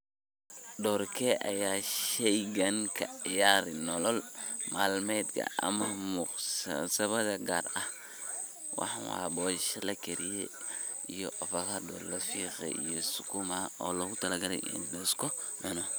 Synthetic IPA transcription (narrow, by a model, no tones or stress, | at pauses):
dɔːrkʰɛʔɐjaːʃɛjɡɐnkʰɐʕɪjaːɾɪnɔlɔlmaːlmɛd̪kʰɐ̰ʔɐ̰mɐmuqssɐβɐðɐɡa̰ːrɐh | wɑ̰ħɑwa̰ːbɔːʃɐlɐkʰɛɾijɛ̰ | ijɔʔɔfɐkɐd̪ɔ̰ːɾlɐfiːqɐ̰ḭjɔsʊkumaɔːlɐɣʊt̪ʰɐlɐɡɐlɛ̰jɪ̰ndɛskɔ | ʔɛnɔ